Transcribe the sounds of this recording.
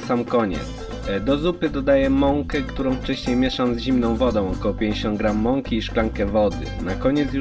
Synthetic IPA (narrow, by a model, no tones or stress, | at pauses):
samkɔɲɛ̰ | d̪ɔzupɘd̪ɔd̪ajɛmɔŋkɛkt̪uɾɔ̃w̃ft͡ʂɛɕɲejmʲjɛʂawzʑimnɔ̃w̃vɔd̪ɔ̃w̃ɔkɔwɔpʲjẽɲd͡ʑeɕɔnt̪̚ɡɾamːɔŋkʲiːʂklaŋkɛvɔd̪ɘ̰nakɔɲɛt̪s̬ju